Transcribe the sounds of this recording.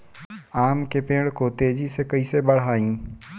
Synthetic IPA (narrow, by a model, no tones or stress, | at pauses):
aːmkepẽːɽkot̪eːd͡ʒisekɐiːsebɐɽ̤aːĩː